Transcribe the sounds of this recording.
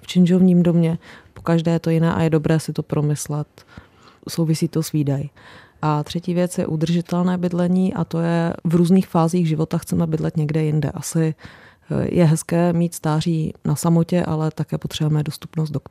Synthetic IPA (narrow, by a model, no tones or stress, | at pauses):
ft͡ʃɪnd͡ʒo̞vɲiːmdomɲɛpo̞̥kaʒdɛːjɛt̪o̞jɪnɛ̰ːʔa̰jɛdo̞bɾɛːsɪt̪o̞pɾʔo̞mɪslɛt̪ | sowvɪsiːt̪o̞sviːdajɪ | ʔat̪r̥ɛciːvjɛt͡sjɛ̰ʔud̪r̩ʒɪt̪ɛlnɛːbɪdlɛɲiːʔa̰t̪o̞jɛvɾuːzniːxfaːziːɣʒɪvo̞t̪axt͡sɛmɛbɪdlɛt̪ɲɛɡdɛjɪndɛ̰ʔasɪ | jʔɛ̰ɦɛskɛːmiːt̪st̪aːriːnʔasamo̞cɛʔa̰lɛt̪akɛːpot̪r̥ɛbujɛmɛdo̞st̪upnost̪dok